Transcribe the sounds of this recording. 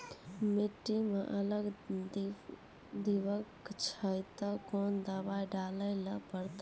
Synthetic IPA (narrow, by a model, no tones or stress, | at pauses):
miʈːimeʔələɡ | d̪iʋəkt͡ʃʰəjt̪əkond̪əbajɖaləɪləpəɾt̪